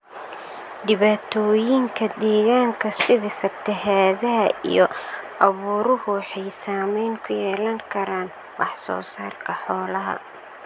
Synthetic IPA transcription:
ɖɪβaːt̪ʰɔːjɪŋkʰɐd̪ɛːɣaːŋkʰɐsɪðɪfɐt̪ʰɐɦaːðɐɦɐʔḭjɔʔɐβuːɾʊhʊħɛjsaːmɛjŋkʰʊjɛːlɐŋkʰɐɾaːn | wɑħsɔ̰ːsaːrkʰɐħɔːlɐɦɐ̰

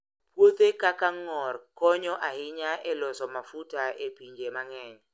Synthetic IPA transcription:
pwot̪ekakaŋɔrkɔɲɔʔahɪɲaʔɛlɔsɔmafutaepiɲd͡ʒemaŋɛɲ

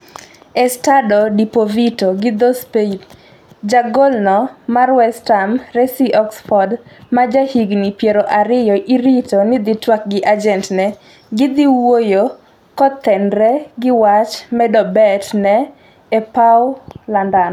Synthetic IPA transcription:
ɛstadɔdipovitoɡɪd̪ɔspeit | d͡ʒaɡɔlnɔmarwɛstamɾɛsiʔɔksfɔdmad͡ʒahiɡnipjeɾoʔaɾɪjɔʔiɾitonɪd̪ɪtwak̚ɡɪʔad͡ʒɛntnɛ | ɡɪd̪ɪwojo | kɔt̪ːɛndɾɛɡɪwat͡ʃmɛdɔbɛtnɛː | paʊlandan

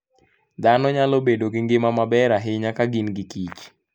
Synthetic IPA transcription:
d̪anɔɲalobedoɡɪŋɡɪmamabɛɾaɦɪɲakaɡinɡikit͡ʃ

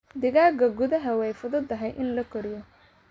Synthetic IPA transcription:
d̪ɪɣaːɡɐɡʊðɐɦɐwɛjfʊðʊd̪ɐɦɛjʔɪnlɐkʰɔɾɪjɔ

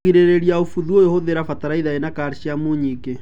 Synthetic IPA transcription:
iɾeɾeɾiaofuðuojohoðeɾafataɾaiðaenakaɾɕiamoɲike

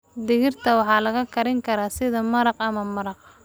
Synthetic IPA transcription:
d̪ɪɣɪrt̪ʰɐwɑħɑːlɐɣɐkʰɐɾɪŋkʰɐɾaːsɪðɐmɐɾɑqɐmɐmɐɾɑq̚

